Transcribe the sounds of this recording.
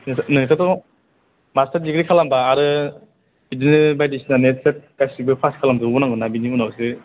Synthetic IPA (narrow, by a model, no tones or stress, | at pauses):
nɯnɯkʰatɔ | mastadiɡɾikʰalambaːɾɯ | bidinɯbajdisinanet̚ʰset̚kajsibɯpʰaskʰalamdɯbɔnaŋɡɯnabinibɔnawsɯ